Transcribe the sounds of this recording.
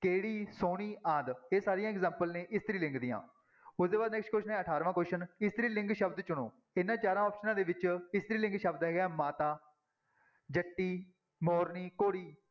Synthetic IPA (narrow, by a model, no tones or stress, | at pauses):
keːɽiːsoːɳ̃iːãːd̪eːsaːɾɪijãːɛkzɛːmpəlneːʔɪst̪ɾiːlɪ̃ŋɡd̪ɪjã̰ː | ʊsd̪eːbaːd̪nɛːksʈkoːʃnɛ̃ːəʈʰaːɾʋãːkoɾʃənɪst̪ɾiːlɪ̃ŋɡʃəbd̪t͡ʃʊɽ̃oː | ɪnːãːt͡ʃaːɾãːɔːpʃənãːd̪eːʋɪt͡ʃɪst̪ɾiːlɪ̃ŋɡʃəbd̪ɦɛːɡɛːmaːt̪aː | d͡ʒəʈːiː | mɔːɾniːkoːɽiː